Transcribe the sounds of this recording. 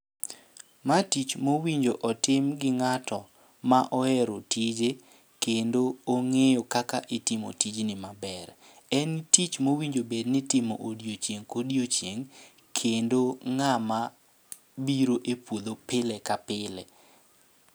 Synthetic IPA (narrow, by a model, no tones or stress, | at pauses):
matit͡ʃmowiɲd͡ʒoʔɔtɪmɡɪŋatʰɔ | maʔɔɛɾotʰid͡ʒe | kendooŋejokakaʔɪtɪmo̰tid͡ʒnɪmabɛɾ | ɛntit͡ʃmowiɲd͡ʒobednɪtɪmoʔodijot͡ʃjeŋkodjot͡ʃjeŋ | kʰendoŋama | biɾoʔepwod̪opɪlɛkapɪlɛ̰